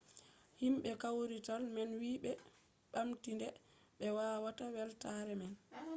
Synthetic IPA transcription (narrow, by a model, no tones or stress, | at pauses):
himɓɛkawɾitalmɛnwiːɓɛ | ɓamtindɛ | ɓɛwaːwatawɛltaɾɛmɛn